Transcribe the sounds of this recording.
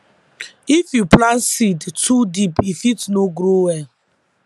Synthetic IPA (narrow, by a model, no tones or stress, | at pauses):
ifjuplãnsidtʰudipifitnoɡɾowɛl